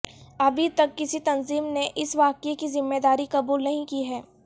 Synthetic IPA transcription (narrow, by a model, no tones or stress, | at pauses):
ɐbʱit̪ɐkːɪsit̪ɐnziːmneʔɪsʋaːkekizɪmːeːd̪aːɾikɐbuːlnɐɦĩkiɦɛː